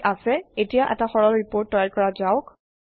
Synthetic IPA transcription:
ʔasɛetijaʔɛ̰taxɔɹɔlɹipoɹtːɔjalkɔɹazaʊk

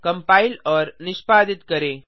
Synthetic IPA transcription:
kɐ̃mpaːilɔːɾnɪʃpaːd̪ɪt̪kɐɾeː

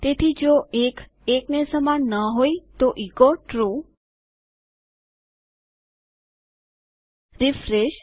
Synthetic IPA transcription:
t̪et̪ʰid͡ʒoek | eknesəmanːəɦoit̪oʔikoʈɾu | ɾifɾeʃ

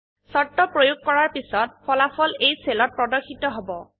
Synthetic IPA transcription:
sɔtːɔpɹojuɡ̚kɔɹaɹpisɔt̚pʰɔlafɔlejselɔt̚pɹɔdɔɹxitɔɦobɔ

